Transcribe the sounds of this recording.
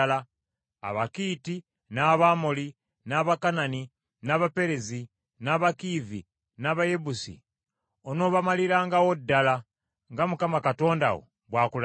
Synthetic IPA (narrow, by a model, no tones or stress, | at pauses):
la | a̰βakiːti | naβamoli | naːβakanani | naβape̞ɾezi | naːβakiːvḭ | naβaje̞busḭ | ono̞ːβamaliɾaːŋɡawodːala | ŋɡamukamakato̞ːnda̰wo̰ | βwaːkul